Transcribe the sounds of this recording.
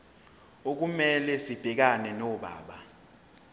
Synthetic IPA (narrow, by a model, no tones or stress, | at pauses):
ok̬umɛlɛsib̥ʱɛk̬anɛnɔɓa̰ːɓa